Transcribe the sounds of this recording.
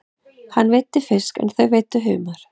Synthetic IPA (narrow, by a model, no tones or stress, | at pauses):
hanːvejt̪ːɪfɪ̥skɛ̰nθœɥveːjt̪ʏɦœːmaɾ̥